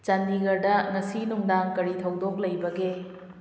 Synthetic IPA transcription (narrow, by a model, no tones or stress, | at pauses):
t͡ʃɐndiɡɐɾdɐŋɐsinuŋdaŋkɐɾitʰɐwdok̚lɐjbɐɡe